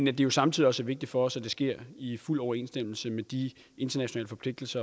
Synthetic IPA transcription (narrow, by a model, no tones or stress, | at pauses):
næd̥e̝jo̝sɑ̈mt͡sʰið̰ˠiɒ̽səæɐʋe̝ɡ̥̚d̥i̥d̥fɒ̽ɒ̽sæd̥e̝sɡ̥e̝ɐ̰iful̰ɒʊɐe̝̰ːnsd̥em̰l̩səmed̥i | e̝nd̥ɐnæɕo̝nɛ̰ːləfɒ̽pʰle̝ɡ̥̚d̥l̩sɐ